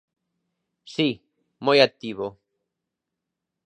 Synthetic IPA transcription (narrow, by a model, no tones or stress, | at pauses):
si | mojak̚t̪iβo